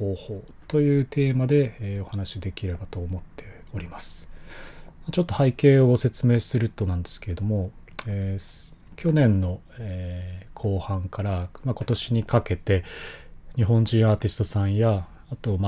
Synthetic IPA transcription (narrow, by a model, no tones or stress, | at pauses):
oːho̞ː | t̪o̞jɯ̟ːt̪ʰe̞ːmad̪e̞ːo̞hanaɕid̪e̞kʲiɾe̞bat̪o̞ːmo̞t̪ʰːe̞ | o̞ɾʲimasɨ̥ | mat͡ɕo̞t̪ːo̞haike̞ːo̞ɡo̞se̞t͡sɨme̞ːsɨɾɯ̟t̪ːo̞nãnd̪e̞sɨ̥ke̞ɾe̞d̪o̞mo̞ | e | kʲo̞nẽ̞nːo̞ | ekʰo̞ːhãŋkaɾamako̞t̪o̞ɕiɲ̟ikake̞t̪e̞ | ɲ̟iɦõ̞ɲd͡ʑĩɰ̃aːt̪ʲisɨ̥t̪o̞sãɰ̃jaː | t̪o̞ma